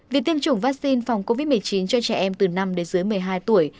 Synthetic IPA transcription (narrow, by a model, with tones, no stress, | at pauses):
vi˨˩t̪i˧əmt͡ɕʊ˧˩ŋ͡mvaː˦˥k̚si˧nfa˨˩wŋ͡mko˧vi˦˥t̚mɨ˨˩ə˩jt͡ɕi˨˦nt͡ɕɔ˧t͡ɕɛ̰˧˩ʔɛ˧mt̪ɨ˨˩na˧mɗe˨˦nzɨ˨˦jmɨ˨˩əjɦaː˧jt̪u˧˩əj